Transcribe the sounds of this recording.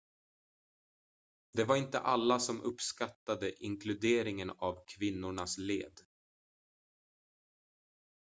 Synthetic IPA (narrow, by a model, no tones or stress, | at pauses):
d̪ɛvaɾɪnt̪ə̰ʔalːasɔmʔɵpskat̪ːad̪əʔɪŋkʰlɵd̪eːɾɪŋənavkʰvɪnːʊɳaslḛːd̪